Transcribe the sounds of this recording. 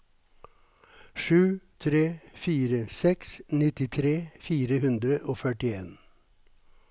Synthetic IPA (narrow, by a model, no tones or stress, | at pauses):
ʃʉːt̪ʰɾeːfiːɾəsɛksnɪt̪ɪt̪ʰɾeːfiːɾəhʉnd̪ɾəʔoːfœʈɪeːn